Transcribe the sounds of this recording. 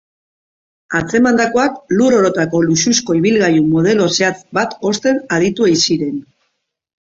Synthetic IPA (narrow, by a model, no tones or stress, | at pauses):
at͡se̞mand̪ako̞akluɾo̞ɾo̞t̪ako̞lususko̞iβ̞ilɣajumo̞ð̞e̞lo̞seat͡s̪bat̪o̞st̪e̞naðit̪uejsiɾe̞n